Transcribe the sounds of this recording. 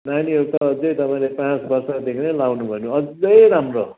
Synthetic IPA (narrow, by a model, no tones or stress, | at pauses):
najniʌɾut̪ʌːd͡zʌjt̪ʌpaĩlepãt͡sbʌrsad̪ekʰinʌjlawnubʱʌnjõʌd͡zʌjɾamro